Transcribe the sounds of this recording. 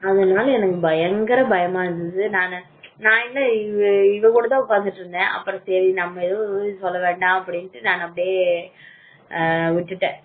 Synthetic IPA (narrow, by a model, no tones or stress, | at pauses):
ɐðɐnaːlɐɛnɐkːɯbɐjɐŋɡɐɾɐbɐjɐmaːɪɾɯnd̪ɐðɯnaːn | nãːɪlːɐɪʋɐkuːɽɐt̪ãːʊkːaːnd̪ɯʈːɾɯnd̪ẽːʔɐ̰pːɯɾɔ̃sɛɾinɐmːɐɪðɯ̃sɔlːɐʋeːɳɖãːɐpːɐɽɪnʈːɯnaːnɐpːɐɽɪjeː | ʋɪʈːɯʈːẽː